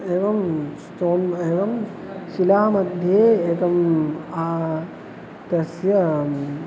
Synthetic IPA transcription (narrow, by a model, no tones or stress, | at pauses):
eːʋɐmsʈoːneːʋɐm | silaɦmɐd̪ʱjeeːkɐma | t̪ɐsjɐ